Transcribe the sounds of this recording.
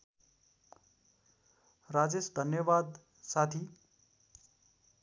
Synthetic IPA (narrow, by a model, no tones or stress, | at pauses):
rad͡zesd̪ʱʌnjʌbad̪ | sat̪ʰi